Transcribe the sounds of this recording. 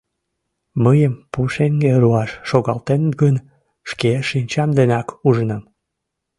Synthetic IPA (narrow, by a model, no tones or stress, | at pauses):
məjəmpuʃeŋɡeɾuɑʃːoɣɑlt̪enət̪ɡən | ʃkeʃinʲt͡ɕɑmd̪enɑkuʒənəm